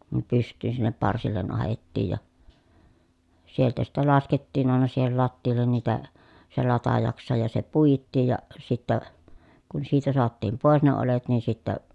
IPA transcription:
ne pystˑyːn sinːep pɑrsilːen ɑhetːiːj jɑ sieltæ sitːe lɑsketːiːn ɑˑenɑ siːhel lɑtːiːlˑen niːtæ se lɑtɑjɑksesɑj jɑ se puitːiːj jɑ sitːæ kun siːtæ soɑtːiːm poˑes ne olet nin sitːæ

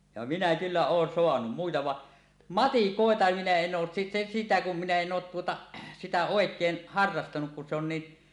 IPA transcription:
jɑ minæ kylːæ oːn soɑnum muitɑ ʋɑʔ mɑtikoˑetɑ minæ en oːs sisi sitæ kum minæ en oːt tuotɑ sitæ oˑekˑeːn hɑrːɑstɑnuk kun se on ni

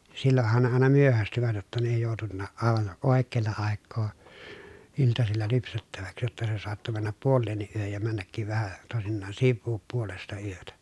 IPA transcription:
silːohːɑn ne ɑˑenɑ myøhæstyʋæt jotːɑ ne ei joˑutunːɑːʔ ʔɑˑeʋɑn ʔoˑekːeːlːɑ ɑˑekːoː iltɑsilːɑ lypsetːæʋæks jotːɑ se soɑtːo mænːæp puolːeːnːiʔ ʔyøhøj jɑ mænːækːiʋ ʋæhæ toˑesinːɑːn siʋːuːp puolestɑ yøtæ

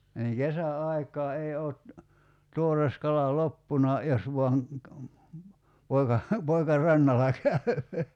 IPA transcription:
niːŋ kesæɑikˑɑː ei oːt tuores kɑlɑ lopːunɑ jos ʋuɑŋ poikɑ poikɑ rɑnːɑlɑ kæy̞

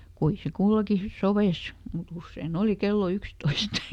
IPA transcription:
kui se kulːoki soʋeis mut usːein oˑli kelːo ykstoist

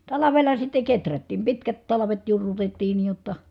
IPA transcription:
tɑlɑʋelˑɑ sitːe ketrætːiːm pitkæt tɑlɑʋet jurːutetːiː niː jotːɑ

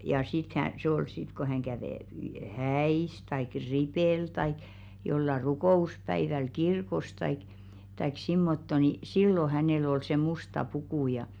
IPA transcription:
jɑ sit k hæ se ol sit ko hæŋ kæʋeˑ hæis tɑik ripeˑl tɑik jolːɑ rukoˑuspæiʋæl kirkos tɑik tɑik simːotːo ni silːo hæneˑl ol se mustɑ pukuˑ jɑ

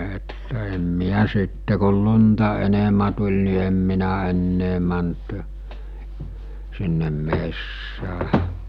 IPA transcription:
etːæ em miæ sitːe kol luntɑ enemæ tulʲ ni em minæ enːeː mænt sinːem mesːæː

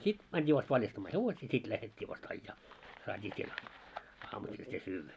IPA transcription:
sit mænitʲi ʋɑst ʋɑljɑstɑmːɑː heʋosiː sit læhetʲːiː ʋɑst ɑijːɑː sɑːtʲiː siel ɑːmusil se syːʋːæ

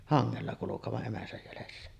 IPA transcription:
hɑŋːelːɑ kulukeʋɑʔ ʔemæsæj jælesːæ

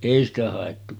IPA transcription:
eˑi stæ hɑˑetːu

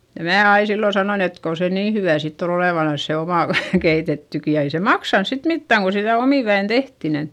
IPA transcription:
jɑ mæː ɑi silːo sɑnoin et kon̞ se niː hyʋæˑ sitː on oleˑʋɑnɑns se omɑˑ ʋ keitetːyki jɑ ei se mɑksɑns sit mitːæˑŋ ko sitæˑ omiˑʋæin tehti nin

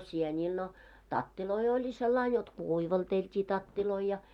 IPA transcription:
sienʲiːl no tɑtːiloi olʲi selːɑin jot kuˑiʋɑlteltʲiː tɑtːiloi jɑ

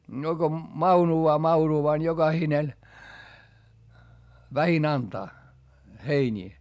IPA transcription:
no ɡ̊o mɑunuɑː mɑuruɑː ni joɡ̊ɑhinen ʋæhin ɑntɑː heinʲiː

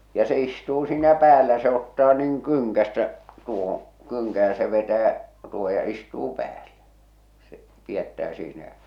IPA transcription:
jɑ se istuː siːnæ pæːlæ se otːɑː nŭiŋ kyŋkæstæ tuohõː kyŋkæ jɑ se ʋetæː tuoho jɑ istuː pæːlːæ̥ se piætːæː siːnæ jæ̠

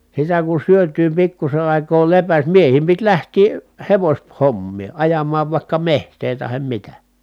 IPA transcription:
sitæ kun̞ syøtyː pikːuse ɑˑi̯koː lepæs miehiːm pit læhtiː heʋosʲ homːiː ɑjɑmˑɑːʋ ʋɑˑikːɑ mehtˑeː tɑhem mitæ

